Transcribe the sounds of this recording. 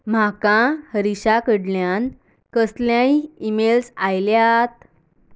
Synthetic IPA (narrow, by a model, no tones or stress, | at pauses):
m̤akãhəɾiɕakəɽljan | kəsljãiimelsajljat̪̚